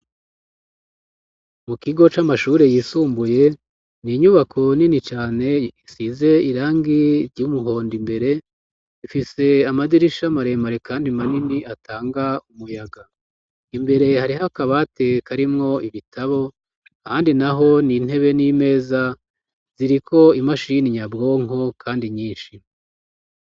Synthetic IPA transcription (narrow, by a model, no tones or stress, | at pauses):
mukiɡo̞t͡ʃamaʃuːɾe̞jiːsuːmbuje̞ | niɲuβakʰo̞ninit͡ʃaːne̞isize̞iɾaːŋɡiɾɟumuɦo̞ːndimbe̞ɾe̞ | ifise̞amadiɾiʃamaɾe̞maɾekaːndimaniniʔatʰaːŋɡaumujaɡa | imbe̞ɾe̞haɾiɦakaβate̞kaɾimŋo̞iβitʰaβo̞ | haːndinaɦo̞nin̥he̞βe̞nime̞ːza | z̥iɾikʰo̞imaʃiniɲabɡo̞ːŋo̞kʰaːndiɲiːnʃi